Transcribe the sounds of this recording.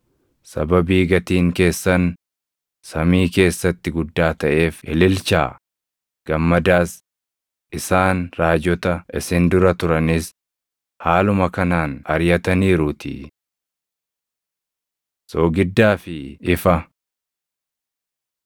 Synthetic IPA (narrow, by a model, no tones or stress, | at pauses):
sɐ̰bɐbiːɡɐt̪iːŋke̞ːsːɐn | sɐmiːke̞ːsːɐt̪ːɪɡʊd̪ːaːt̪ɐʔe̞ːfɪ̰lɪlt͡ʃa̰ː | ɡ̥ɐmːɐd̪aːs | ʔɪsaːnɾaːd͡ʒɔt̪ɐɪsɪnd̪ʊɾɐt̪ʊɾɐnɪs | haːlʊmɐkɐnaːnɐɾjɐt̪ɐniːɾʊt̪ʰɪ̰ | soːɡɪd̪ːaːfɪɪfɐ